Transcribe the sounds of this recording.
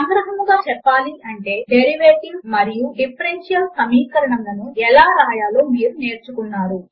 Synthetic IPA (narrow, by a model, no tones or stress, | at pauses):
ɐŋɡɾɐɦɐmuɡaːt͡ʃɛpːaːliʔɐɳʈe̞ːɖeɾiʋeːʈiŋɡmɐɾijuɖipʰɐɾenʂijɐlsɐmiːkɐɾɐɳɐŋlɐnuɛlaːɾaːjaːlo̞ːmiːɾune̞ːɾt͡ʃukunːaːɾu